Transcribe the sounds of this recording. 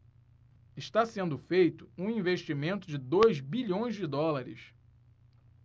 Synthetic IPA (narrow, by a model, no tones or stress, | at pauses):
ɪʃt̪asẽnd̪ʊfejt̪ʊ̥ũĩveʃt͡ʃimẽnt̪ʊd͡ʒɪd̪ojzbiʎõj̃zd͡ʒɪd̪ɔlaɾɪ̰s